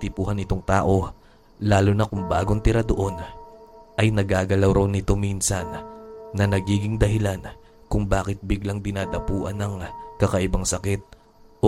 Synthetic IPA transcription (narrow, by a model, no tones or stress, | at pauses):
t̪ɪpuːhɐnɪt̪o̞ŋt̪aːʔo̞ | laːlʊnɐkʊŋba̰ːɡont̪ɪɾad̪oʔo̞n | ʔɐjnɐɡaːɡɐlawɾɐwnɪt̪o̞minsɐnːɐnɐɡiːɡɪŋd̪ɐɦɪlan | kʊŋbaːkɪt̪̚bɪɡlaŋd̪ɪnaːd̪ɐpuːʔɐnːɐŋkɐkɐʔɪbaŋsɐkɪt̪̚